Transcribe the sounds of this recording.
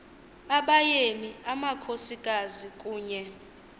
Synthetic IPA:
aɓajeniamakʰosikʼazikʼuːɲɛ

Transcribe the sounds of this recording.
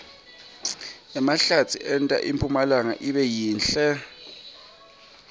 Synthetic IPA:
ɛmaɬat͡sʰiʔɛntʼa̰ʔimpʰʼumalaŋa̰ʔiɓɛjiːnɬɛ

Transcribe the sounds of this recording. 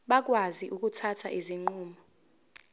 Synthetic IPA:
ɓak̬waziʔuk̬ʼutʰatʰa̰ʔiziŋ͡ǃuːmɔ

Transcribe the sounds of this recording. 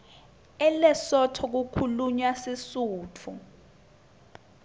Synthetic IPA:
ɛlɛsɔtʰɔk̬ukʰuluɲwasisuːt͡fʰu

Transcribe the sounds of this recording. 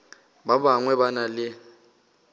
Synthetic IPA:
babaŋwɛbanalɪ

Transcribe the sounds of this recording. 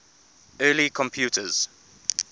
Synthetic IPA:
ɜːlikʰɔ̃mpʰjuːtʰəz̥

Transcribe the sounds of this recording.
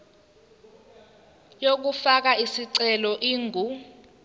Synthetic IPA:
jok̬ufak̬aisiǀɛlɔʔiːŋu

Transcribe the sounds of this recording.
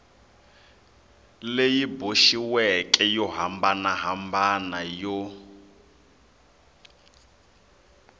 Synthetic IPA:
lejiboʃiwɛkʼɛjɔɦambanaɦambanajɔ

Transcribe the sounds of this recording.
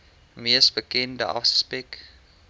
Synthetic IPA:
miəsbəkɛndəʔɑ̰fsə̥spɛk

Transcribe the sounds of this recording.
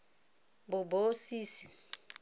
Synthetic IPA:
bʊbosiːsi

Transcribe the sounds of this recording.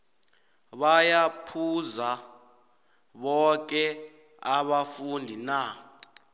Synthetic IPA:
ɓajapʰuza | ɓɔk̬ɛ | aɓafundʱina

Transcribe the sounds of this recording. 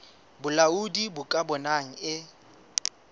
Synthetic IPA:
bʊlaudibʊkʼabɔnaŋ̩ɪ

